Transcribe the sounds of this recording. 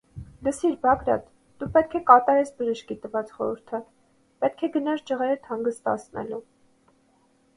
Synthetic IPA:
d̪əsiɾbɑɡɾɑ̰t̪ | d̪upɛt̪̚kʰɛkɑt̪ɑɾɛsbəʒəʃkit̪əvɑt͡sχɔ̰ɾəɾt̪ʰə | pɛt̪̚kʰɛɡənɑɾd͡ʒəʁɛɾət̪ʰɑŋɡəst̪ɑ̰t͡sʰnɛ̰lu

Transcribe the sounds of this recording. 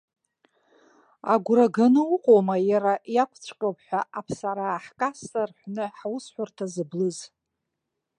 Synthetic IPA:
a̰ɡʷɾaɡanɨuqʼowmajaɾajakʷʰt͡sʷʰʼqʲʼopʰħʷᶣaʔapʰsaɾaːħkʼasarħʷnɨħwʊsħʷʊrtʰazɨblɨz

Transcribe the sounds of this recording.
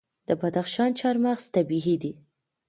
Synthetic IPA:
d̪̥əbad̪axʃɑnt͡ʃɑɾmaɣz̥t̪abiɦid̪i

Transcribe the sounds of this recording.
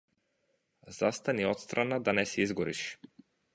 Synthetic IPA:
z̥ast̪aniɔt̪st̪ɾʔanad̪anɛsɛizɡɔɾiʃ

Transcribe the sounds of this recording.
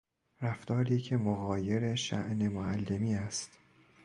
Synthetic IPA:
ɾæft̪ʰɒːɾiːcʰe̞moɣɒːje̞ɾe̞ʃæ̰ʔne̞moælːe̞miːæst̪

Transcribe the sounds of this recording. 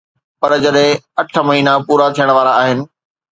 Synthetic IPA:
pɐɾd͡ʑɐɗɦɪ̃ɐʈʰəmɐɦiːnapuːɾat̪ʰijəɽ̃ʋaːɾaːɦɪnɪ̆

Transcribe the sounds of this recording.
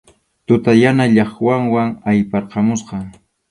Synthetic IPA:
t̪ʊt̪ajanaʎɑχwaŋwaŋajpɑɾqɑmʊsqɑ

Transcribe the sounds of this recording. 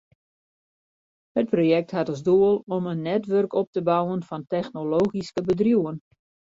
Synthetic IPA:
hət̚projɛk̚tɦatɔzduəlˠɔmənːɛtʋørkɔp̚təbawənfɔntɛxnoloːɣiskəbədrjuwən

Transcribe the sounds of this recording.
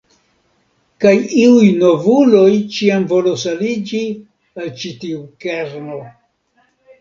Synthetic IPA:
kajiujno̞vulo̞jt͡ʃiamvo̞lo̞salid͡ʒi | alt͡ʃitiukeɾno̞

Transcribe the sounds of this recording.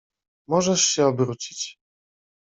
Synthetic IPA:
mɔʐɛʂɕɛɔbɾut͡ɕi̥t͡ɕ

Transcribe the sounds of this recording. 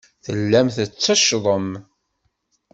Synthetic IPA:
θəlːæmθət͡sːæʃðˤəm

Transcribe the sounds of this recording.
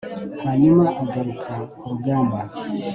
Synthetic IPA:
haɲumaʔaɡaɾukʰakuɾuɡaːmba

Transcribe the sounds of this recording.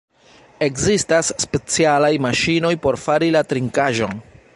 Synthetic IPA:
e̞kzistasːpe̞t͡sialajmaʃino̞jpo̞ɾfaɾilatɾiŋkaʒo̞̰n

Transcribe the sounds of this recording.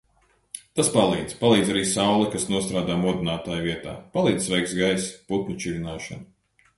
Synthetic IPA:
t̪aspalˠiːd̪palˠiːd̪zaɾiːsawlˠɛkasnuɔst̪ɾaːd̪aːmuɔd̪inaːt̪aːjviɛt̪a̰ːpalˠiːd̪z̥ʲsvɛjksɡajsput̪̚nut͡ʃilʲinaːʃɐ̰n

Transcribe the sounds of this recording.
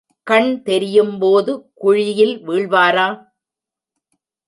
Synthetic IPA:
kɐɳt̪ɛɾɪjɯmpoːðɯkʊɻɪjɪlʋiːɭʋaːɾaː

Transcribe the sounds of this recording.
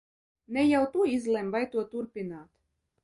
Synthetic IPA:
nɛjawt̪uɔizlˠɛmvajt̪uɔt̪uɾpʲinaːt̪

